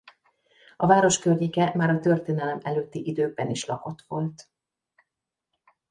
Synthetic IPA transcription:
ɒvaːɾo̞ʃkørjikɛmaːɾɒt̪ø̞rt̪eːnɛlɛmɛløːt̪ːiʔid̪øːbɛniʃlɒko̞t̪ʋo̞lt̪

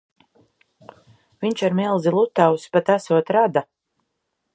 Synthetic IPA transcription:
viɲt͡ʃaɾmilˠzilˠut̪ːawspat̪asuɔt̪ɾad̪a

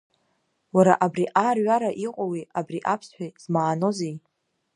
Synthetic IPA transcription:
waɾaʔabriʔarɥaɾaʔiqʷʼowiabriʔapʰsħʷᶣaz̥maːno̞zej

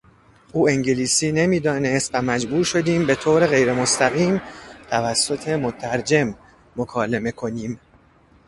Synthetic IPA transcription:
ʔuːeŋɟeliːsiːne̞miːd̪ɒːne̞st̪væmæd͡ʒbuːɾʃo̞d̪iːmbe̞t̪ʰoːɾe̞ɣe̞jɾemost̪æɣiːmt̪ʰævæsːo̞t̪ʰe̞mot̪ʰæɾd͡ʒe̞mː | okʰɒːle̞me̞kʰo̞niːm

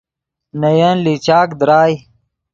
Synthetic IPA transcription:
nɐjanlit͡ɕaːkd̪ɾaːj

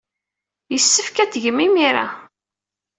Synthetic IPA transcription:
jəsːəfkæt̪ʝəmːimiɾa̰

